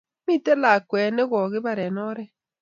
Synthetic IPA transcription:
mi˦tɛ˦la˨kwɛ˨nɛ˦ɣɔ˨ɣɪ˦βa˨ɾɛ˨nɔ˦ɾɛ˦

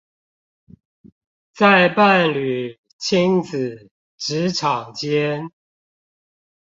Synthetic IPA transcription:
t͡sa˥˧ɪpa˥˨nly˨˩ | t͡ɕʰi˦˥ŋt͡s̩˨˩ | ʈ͡ʂɻ̩˧˦ʈ͡ʂʰɑ˨˩ŋt͡ɕjɛ˦n

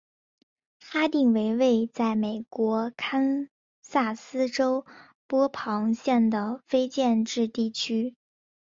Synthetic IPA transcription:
fa˥t̪i˥˩ŋwe˧˥ɪwe˥˧ɪt͡sa˥˩ɪme˨˩ɪkwɔ˧˥kʰa˥n | sa˥˩sɹ̩˥ʈ͡ʂo˥ʊ | pwɔ˥pʰɑ˧˥ŋɕjɛ˥˩nd̪ə˩fe˥ɪt͡ɕjɛ˥˧nʈ͡ʂɻ̩˥˧t̪i˥˩t͡ɕʰy˥

